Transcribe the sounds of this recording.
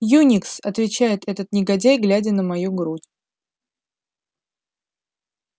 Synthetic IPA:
junʲɪksɐt̪vʲɪt͡ɕæjɪt̪ɛt̪ət̪nʲɪɡɐdʲajɡlʲædʲənəmɐjuɡɾutʲ

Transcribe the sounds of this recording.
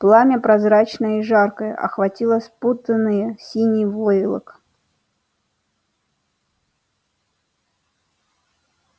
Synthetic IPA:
plˠamʲəpɾɐzɾat͡ɕnəiʐarkəjə̰ʔɐ̰xvɐtʲilˠəsput̪ənːɨjəsʲinʲɪjvojɪlˠə̰k

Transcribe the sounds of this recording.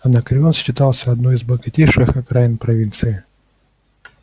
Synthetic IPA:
ɐnɐkɾʲɪosɕːɪt̪alˠsʲəɐd̪noɪzbɐɡɐtʲeʂɨxɐkɾaɪnpɾɐvʲint̪sɨɪ

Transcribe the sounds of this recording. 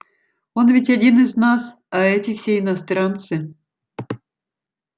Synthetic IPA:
o̞nvʲɪtʲɐdʲinɨznas | ɐɛtʲɪfsʲeɪnɐst̪ɾant̪sɨ

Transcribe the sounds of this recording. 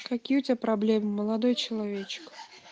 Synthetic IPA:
kɐkʲijəʊt̪ʲapɾablʲemɨməlˠad̪ojt͡ɕɪlˠavʲet͡ɕk

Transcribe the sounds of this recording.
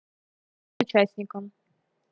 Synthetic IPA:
ʊt͡ɕasʲnʲɪkəm

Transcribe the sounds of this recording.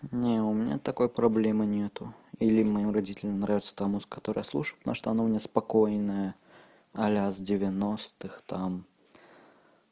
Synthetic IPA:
nʲɛumʲnʲɛ̰t̪akɔjpɾablʲɛmɨnʲɛt̪ʊilʲimːɐjimrad͡zʲit͡sʲɪlʲɛmnɾavʲɪt̪sɐ̥t̪amuskat̪ɔɾəjəslˠuʂɨjpna̰ʂt̪ɐanɔmnʲɛspakɔjnɐjɐ | ɐlʲɛzd͡zʲɪvʲanɔst̪ɨxt̪am

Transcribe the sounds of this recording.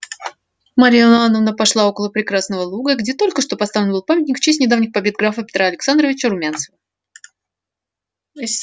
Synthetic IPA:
mɐɾʲijananːəvnəpɐʂlˠao̞kəlˠəpɾʲɪkɾasnəvəlˠuɡəɡdʲet̪o̞lʲkəʂt̪o̞pɐst̪avlʲɪnbɨlˠpamʲɪtʲnʲɪkft͡ɕesʲnʲɪd̪avnʲɪxpɐbʲe̞d̪̚ɡɾafəpʲɪ̥t̪ɾaɐlʲɪksand̪rəvʲɪt͡ɕəɾʊmʲansəvə

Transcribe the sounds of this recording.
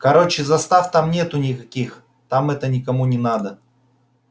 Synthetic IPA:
kɐɾot͡ɕɪzɐst̪aft̪amnʲe̞t̪ʊnʲɪkɐkʲix | t̪amɛt̪ənʲɪkɐmunʲɪnad̪ə

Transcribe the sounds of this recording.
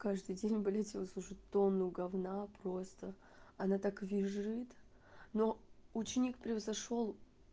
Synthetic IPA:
kaʐd̪ɨjdʲenʲbɐlʲɛtʲivəslˠuʐɨtʲt̪ːo̞nːʊɡɐvnapɾost̪ə | ɐnat̪akvʲɪʐɨt̪ | no̞ʊt͡ɕɪnʲikpɾʲɪvəzɐʂo̞lˠ

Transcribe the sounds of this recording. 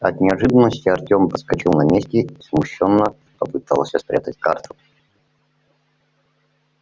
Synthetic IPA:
ɐ̰t̪nʲɪɐʐɨd̪ənːəsʲtʲɪɐrtʲompəskɐt͡ɕilˠnɐmʲesʲtʲɪismʊɕːonːə | pɐpɨt̪alˠəsʲɐspɾʲa̰t̪ətʲkart̪ʰʊ̥

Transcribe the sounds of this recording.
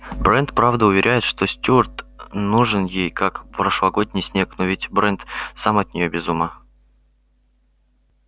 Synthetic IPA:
bɾɛnt̪pɾavd̪əʊvʲɪɾʲʔæjɪt̪ʂt̪osʲtʲurt̪nuʐɨnjejkakpɾəʂlˠɐɡod̪ʲnʲɪjsʲnʲe̞knovʲɪtʲbɾɛnt̪samɐt̪̚ʲnʲɪjobʲɪzumə

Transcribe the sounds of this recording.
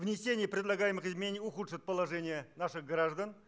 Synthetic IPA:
vnʲɪsʲenʲɪjəpɾʲɪd̪lˠɐɡajɪmɨxɨzmɪnʲenʲijʊxut̪ʂɨt̚ʲpəlˠɐʐɛnʲɪjənaʂɨɣɡɾaʐd̪ən

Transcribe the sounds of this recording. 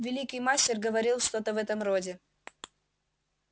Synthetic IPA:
vʲɪlʲikɨjmasʲtʲɪrɡəvɐɾʲilˠʂt̪ot̪əvɛt̪əmrodʲɪ

